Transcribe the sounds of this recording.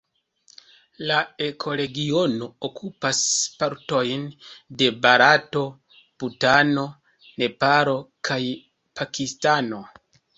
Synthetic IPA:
lae̞kʰo̞ɾe̞ɡio̞no̞okʰupaspaɾto̞jnde̞baɾato̞ | putano̞ | ne̞paɾo̞kʰaj | pʰakistano̞

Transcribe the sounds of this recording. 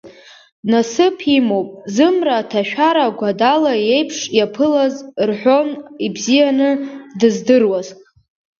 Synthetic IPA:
nasɨpʰimo̞wpʼzɨmraːtʰaʃᶣaɾaɡʷadalaje̞jpʰʂjapʰɨlazrħʷᶣo̞nibzijanɨdɨzdɨrwaz

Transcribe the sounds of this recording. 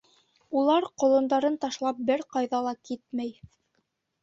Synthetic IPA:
ulˠɑɾqŏlˠɤ̆nd̪ɑɾɤnt̪ɑʃlˠɑp̚bɘɾqɑjðɑlˠɑkit̪̚mæj

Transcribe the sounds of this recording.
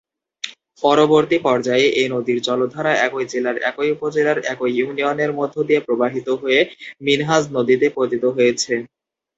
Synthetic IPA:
pɔɾoboɾt̪ipɔɾd͡ʑaeʔenod̪iɾt͡ɕɔlod̪ʱaɾaɛkojd͡ʑelaɾɛ̰kojupod͡ʑelaɾɛkojjunioneɾmod̪ʱːod̪iepɾobaɦit̪oɦoeminɦad͡ʑnod̪it̪epɾot̪it̪oɦojet͡ɕʰe

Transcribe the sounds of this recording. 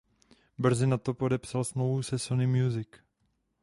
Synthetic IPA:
br̩zɪnat̪o̞po̞dɛpsalsmlovusɛsonɪmjuzɪk

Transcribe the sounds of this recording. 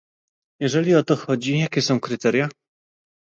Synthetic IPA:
jɛʐɛlʲiɔt̪ɔxɔd͡ʑijakʲɛsɔ̃w̃kɾɘt̪ɛɾʲja

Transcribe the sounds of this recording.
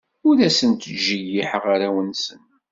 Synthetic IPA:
ʊɾæsənt̪əʒːijiħəʁaɾawənsən

